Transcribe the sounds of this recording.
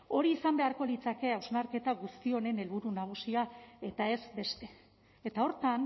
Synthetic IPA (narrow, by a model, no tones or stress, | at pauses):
o̞ɾiːsambe̞aɾko̞lit͡sake̞awznaɾke̞t̪aɣust̪io̞ne̞ne̞lβuɾunaɣ̞usiae̞t̪ae̞zbe̞st̪e̞̥ | et̪ao̞ɾt̪an